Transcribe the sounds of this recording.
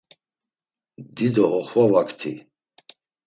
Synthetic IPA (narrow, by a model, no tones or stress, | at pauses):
d̪id̪ɔɦɔχvavakʰt̪ʰḭ